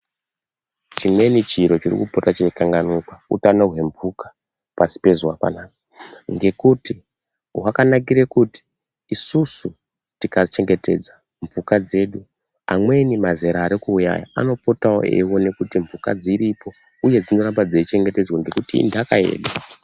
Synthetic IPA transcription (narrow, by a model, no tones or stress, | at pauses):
t͡ʃimwe̞nit͡ʃiɾo̞t͡ʃirḭkupotat͡ʃekaŋɡanukwaṵtanorwe̞mvukḁ | pasi̥pe̞zwapa̰naːka | ŋɡe̞kuti | wakanakiɾekuti̥ː | susu | tikat͡ʃe̞ŋɡe̞te̞̰d͡za | mbukad͡ze̞ːɗu | a̰mwe̞nimazeɾaːɾikuːuja̰ja̰a̰no̞po̞tawo̰ḛwo̞ne̞kutimbvuka̰d͡ziɾipo̞ | uje̞d͡zino̞ɾambad͡zeit͡ʃe̞ŋɡe̞te̞d͡zwoŋɡe̞kutḭːndakae̞̰ːɗa